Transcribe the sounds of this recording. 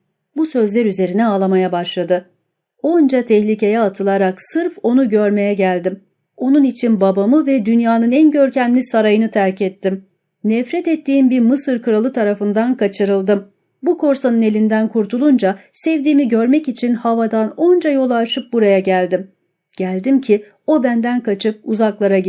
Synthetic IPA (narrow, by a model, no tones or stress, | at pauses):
busø̞zlʲæɾyze̞ɾinɛaːlˠamajabaʃlˠad̪ɯ | o̞nd͡ʒat̪ʰɛçlʲice̞jɛat̪ʰɯlˠaɾaksɯɾfo̞nuɟø̞ɾme̞jɛɟælʲd̪im | o̞nunit͡ʃʰinbabamɯvɛd̪ynjaːnɯnɛnɟø̞ɾcæmlʲisaɾajɯnɯt̪ʰæɾcʰɛt̪ʰːim | nɛfɾɛt̪ɛt̪ʰːiːmbiɾmɯsɯɾkʰɯɾalˠɯt̪ʰaɾafɯnd̪ankʰat͡ʃʰɯɾɯlˠd̪ɯm | bukʰo̞ɾsanɯne̞lʲind̪ænkʰuɾt̪ʰulˠund͡ʒasɛvd̪iːmiɟø̞ɾmɛcit͡ʃʰinhavad̪ano̞nd͡ʒajo̞lˠaʃɯp̚buɾajaɟælʲd̪im | ɟ̥ælʲd̪imcʰi | o̞bænd̪ænkʰat͡ʃʰɯp̚uzaklˠaɾaɟ